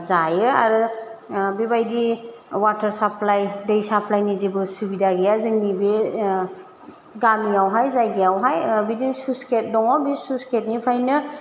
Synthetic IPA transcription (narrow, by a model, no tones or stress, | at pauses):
zajɯa̰ɾɯ | bibajdi | watɐɾsapʰlajdejsapʰlajnizibɯsubidaɡijazɯŋnibe | ɡamiawɦajzajɡijawɦajbidinsusket̚dɔŋawbisusket̚nipʰajnɯ